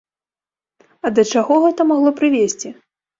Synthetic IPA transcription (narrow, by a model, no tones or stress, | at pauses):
ɐd̪ɐt͡ʂaɣɔɣɛt̪ɐmaɣlˠɔpɾɨvʲesʲt͡sʲi